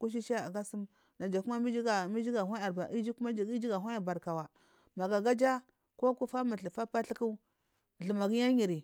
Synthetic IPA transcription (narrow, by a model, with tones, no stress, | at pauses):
ku˦ʃ̬i˦ʃi˦a˨a˨ɡa˦su˦m | na˨d͡ʒa˨ku˦ma˦mi˦d͡ʒi˦ɡa˨mi˦d͡ʒi˦ɡa˨ɦʷa˦a˨ɾba˨ʔi˦d͡ʒi˦ku˦ma˦d͡ʒi˦ɡi˦d͡ʒi˦ɡa˨ɦʷa˦ja˨ba˨ɾka˨wa˨ | ma˨ɡa˨ɡa˦d͡ʒa˦ | ko˦ku˦fa˦ma˨ɬi˨fa˦pa˦ɬi˦ku˦˨ | ɮu˨ma˨ɡi˦ja˦ɲi˨ɾi˨